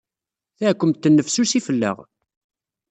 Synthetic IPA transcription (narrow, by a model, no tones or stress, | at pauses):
θæʕkʷːəmt̪ːənːəfsusifəlːə̰ʁ